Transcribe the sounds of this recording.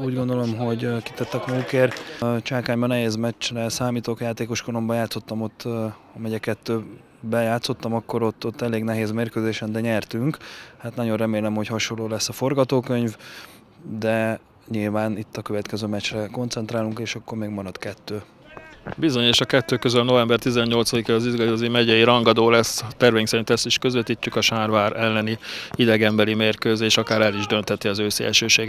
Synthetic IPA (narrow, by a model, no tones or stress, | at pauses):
uːɟɡo̞nd̪o̞lo̞mɦo̞ɟki̥t̪ɛt̪ːɛkmuːkeːrt͡ʃaːkaːɲbɒnɛɦeːzmɛt͡ʃrɛsaːmiːt̪oːkjaːt̪eːko̞ʃkolo̞mbɒjaːt̪so̞t̪ːɒmo̞t̪ː | ɒmɛɟɛkɛt̪ːøː | bɛjaːt̪so̞t̪ːɒmɒkːo̞ɾo̞t̪ːot̪ːɛleːɡnɛɦeːzmeːrkøːzeːʃɛnd̪ɛɲɛrt̪yŋkhaːt̪nɒɟo̞nrɛmeːlɛmho̞chɒʃo̞lːoːlɛsːɒfo̞rɡɒt̪oːkø̞ɲv | d̪ɛ | ɲilvaːnit̪ːɒkøvɛt̪kɛzøːmɛt͡ʃrɛko̞nt̪sɛnt̪raːluŋkeːʃɒkːo̞rmeːɡmɒɾɒt̪kɛt̪ːøː | bizo̞ɲeːʃɒkɛt̪ːøːkøzylno̞vɛmbɛrt̪izɛɲːo̞lt̪sɒd̪ikɛɒzizɡɒozimɛɟɛjiɾɒŋɡɒd̪oːlɛst̪ɛrvɛːŋksɛɾint̪ɛsiʃkø̞zʋɛt̪iːcːukɒʃaːrvaːɾɛlːɛniid̪ɛɡɛmbɛlimeːrkøːzeːʃɒkaːɾɛliʒd̪ø̞nt̪ɛt̪ːiɒzøːsḛlʃøːʃeːɡ